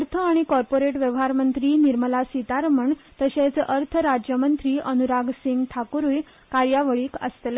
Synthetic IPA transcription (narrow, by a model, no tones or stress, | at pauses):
əɾt̪ʰəaɽ̃ikɔɾpoɾeʈʋjeʋɦaɾmənt̪ɾiːniɾməlasit̪aɾməɳt̪əɕet͡sʔəɾt̪ʰəɾad͡ʑjəmənt̪ɾiːʔənuɾaɡsiŋɡt̪ʰakuɾuːj | kaɾjaʋəɭiːkə̰st̪le